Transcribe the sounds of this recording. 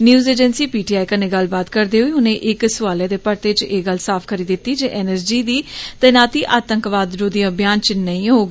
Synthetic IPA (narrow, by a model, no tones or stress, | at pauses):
njuːzeːd͡ʒənsiːpiːʈiːaːikənẽːɡəlbaːt̪kəɾd̪eːɦoiːɦʊnẽːʔɪksʊʋaːljeːd̪eːpəɾt̪et͡ʃeːɡəlsaːpʰkʰəɾiːd̪ɪt̪ːiːd͡ʒeːʔɛːnɛsd͡ʒiːd̪iːt̪ɛːnaːt̪iːʔaːt̪əŋkʋaːd̪ɾoːd̪ijãːbjaːnt͡ʃnəĩːɦoːɡː